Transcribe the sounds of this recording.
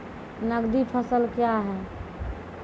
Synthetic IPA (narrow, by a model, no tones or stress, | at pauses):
nəɡd̪ipʰəsəlkjaɦɛː